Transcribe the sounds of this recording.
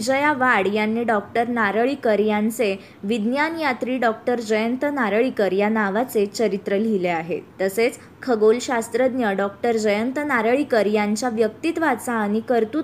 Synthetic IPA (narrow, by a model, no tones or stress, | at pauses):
d͡ʑəjaʋaɽjanːiɖɔk̚ʈəɾnaɾəɭiːkəɾjãnt͡se | ʋid̪njanjat̪ɾiːɖɔk̚ʈəɾd͡ʑəjənt̪ənaɾəɭikəɾjanaʋat͡set͡ɕəɾit̪ɾəl̤ileaɦḛt̪ːəset͡s | kʰəɡolɕast̪ɾəd̪njəɖɔkʈəɾd͡ʑəjənt̪ənaɾəɭikəɾjaɲt͡ɕaʋjək̚t̪it̪ʋat͡saːñikəɾt̪u